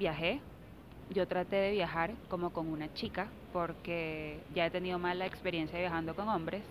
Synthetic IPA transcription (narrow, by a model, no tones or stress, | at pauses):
bjaxe | ɟ͡ʝo̞t̪ɾat̪eðe̞βjaxaɾko̞moko̞ŋunat͡ʃika | po̞ɾkeʝaet̪e̞niðo̞malaekspeɾjensjaejaxand̪o̞ko̞ŋombɾes